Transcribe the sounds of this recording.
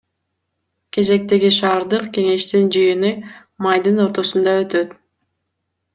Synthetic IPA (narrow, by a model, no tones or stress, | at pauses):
ke̞ze̞k̚t̪e̞ɡiʃɑːɾd̪ɯqke̞ŋe̞ʃt̪ind͡ʒɯjɯnɯ | majd̪ɯno̞ɾt̪o̞sund̪ɑø̞t̪øt̪